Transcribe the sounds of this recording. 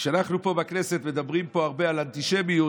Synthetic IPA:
ʃeanaχnupo̞bakne̞set̪med̪abʁimpo̞aʁbe̞alant̪iʃemiu

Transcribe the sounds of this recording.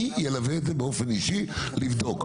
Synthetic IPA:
jelavezebeo̞feniʃilivd̪o̞k

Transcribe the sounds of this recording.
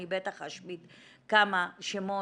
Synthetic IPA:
ibet̪aχaʃmitkamaʃemo

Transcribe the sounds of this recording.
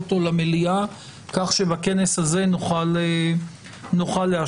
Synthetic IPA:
to̞lamelia | kaχʃebake̞ne̞saze̞nuχale | nuχalːea

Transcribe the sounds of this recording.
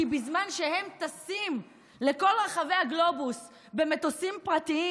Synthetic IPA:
ibizmanʃe̞he̞mtasim | le̞ko̞lʁaχave̞jhaɡlo̞bus | be̞met̪osimpʁat̪ii

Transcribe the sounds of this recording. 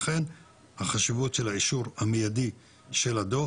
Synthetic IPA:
χe̞n | haχaʃivutʃelhaʕiʃuʁhamejadi | ʃelad̪o

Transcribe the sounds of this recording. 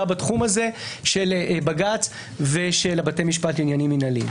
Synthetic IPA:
abatχumaze̞ʃelbaɡat͡s | veʃelabatejmiʃpatlinjaniminalḭm

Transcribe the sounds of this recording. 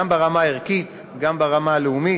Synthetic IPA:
ambaʁamaiʁkit̪ | ɡambaʁamaːleumi

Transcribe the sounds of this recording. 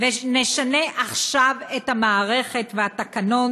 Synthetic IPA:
veneʃaneʔaχʃavethamaːʁe̞χe̞tveatakano̞

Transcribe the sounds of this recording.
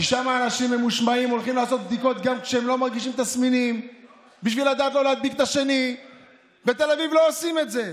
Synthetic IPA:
kiʃamaːnaʃimemuʃmaimo̞lχimlaːso̞t̪̚b̚d̪iko̞t̪ɡamkʃeemlo̞maʁɡiʃimt̪asminim | biʃvilad̪aːt̪lolead̪̚bikt̪aʃe̞ni | bet̪e̞lavivlo̞osime̞t̪ze̞

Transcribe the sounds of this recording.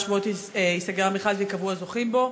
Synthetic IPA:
ʃvuoteisaɡeʁameχazvekavuazoχimbo̞

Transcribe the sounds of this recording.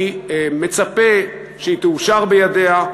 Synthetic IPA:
me̞t͡sape̞ | ʃeit̪euʃaʁbejadea

